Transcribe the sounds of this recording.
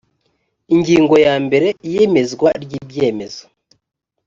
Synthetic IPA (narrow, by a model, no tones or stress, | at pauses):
iŋɟiːŋɡo̞jaːmbe̞ɾe̞ijeme̞zɡwaɾɟiːbɟe̞ːme̞zo